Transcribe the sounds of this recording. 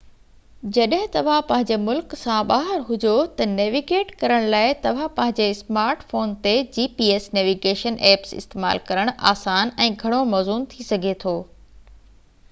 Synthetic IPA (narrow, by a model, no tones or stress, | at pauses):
d͡ʑɐɗɦɪ̃t̪ɐʋ̤ãpɐ̃ɦɪ̃ɲd͡ʑemʊlksãɓaːɦɪɾɦʊd͡ʑot̪ɐneːʋiɡeːʈkɐɾəɽ̃laːɪt̪ɐʋ̤ãpɐ̃ɦɪ̃ɲ̆d͡ʑesmaːɾʈfoːnt̪ed͡ʑiːpiːeːsneːʋiɡeːʃənʔɛːpsɪ̰st̪eːma̰ːlkɐɾəɽ̃ʔa̰ːsaːnɛ̃ːɡʱɐɽ̃omɔːzuːnt̪ʰisɐɡʱet̪ʰoː